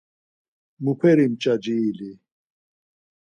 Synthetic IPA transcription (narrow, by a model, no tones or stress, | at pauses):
mupʰeɾimt͡ɕad͡ʑiːli